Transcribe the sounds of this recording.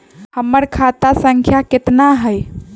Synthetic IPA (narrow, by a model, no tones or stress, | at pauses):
həmːəɾkʰat̪asəŋkʰjaket̪naɦəj